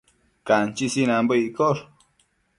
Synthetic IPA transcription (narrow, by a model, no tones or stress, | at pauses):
kant͡ʃisinambəikoɾ